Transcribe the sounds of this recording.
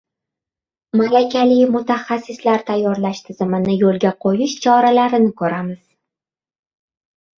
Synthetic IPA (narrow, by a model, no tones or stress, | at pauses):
malakʲʰalɪjmʊt̪ʰaχasːɪslaɾt̪ʰajːɒɾlaʃt̪ʰɪzɪmɪnɪjolˠɡʲaqʰojɪʃt͡ʃʰɒɾalaɾɪnɪkʰɵɾamɪz̥